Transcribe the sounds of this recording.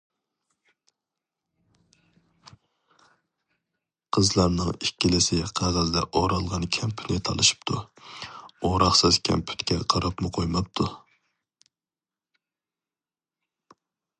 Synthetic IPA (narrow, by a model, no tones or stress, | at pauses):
qʰəzlˠɑɾnɨŋikʲːilɪsɪqʰæd̪æld̪ɛ̰ʔoɾɑlˠʁɑnkʲʰɛmpʰy̥nɪt̪ʰɑ̰lˠɨʃi̥pt̪ʰu | oɾɑχsɨzkʲʰɛ̰mpʰy̥t̪kʲʰɛqʰɑɾɑpmʊqʰojmɑp̚t̪ʰu